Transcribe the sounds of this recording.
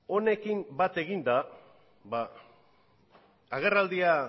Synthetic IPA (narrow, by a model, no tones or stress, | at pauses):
o̞ne̞kimbat̪e̞ɣind̪a | ba | ɣ̞e̞rald̪ia